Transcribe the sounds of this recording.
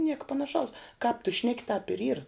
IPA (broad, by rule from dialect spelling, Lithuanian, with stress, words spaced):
ˈnʲiɛkɐ pɐnɐˈʃɐʊs kɑːp tʊ ˈʃʲnʲæːkʲɪ tɑːp ɪr iːr